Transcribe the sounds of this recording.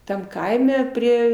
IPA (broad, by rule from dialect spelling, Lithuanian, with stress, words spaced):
ˈtɐm ˈkɐɪmʲɛ ˈpʲrʲiɛ